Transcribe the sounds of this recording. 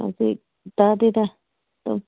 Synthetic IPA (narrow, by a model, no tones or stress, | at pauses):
ã̰si | t̪at̪it̪a | t̪o̰